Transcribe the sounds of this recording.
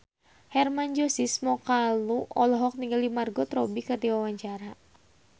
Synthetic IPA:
hɛrmaɲd͡ʒɔsismɔkaluʔɔlɔɦɔk̚niŋɡalimarɡɔt̪ɾɔbikərd̪iwawaɲt͡ʃaɾa

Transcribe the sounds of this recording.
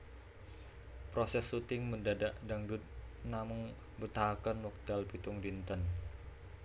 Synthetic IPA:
pɾosɛsut̪ɪŋməndadaʔdaŋdut̪̚namʊŋ | bət̪akənwɔk̚d̪̥alpit̪ʊŋdint̪ən

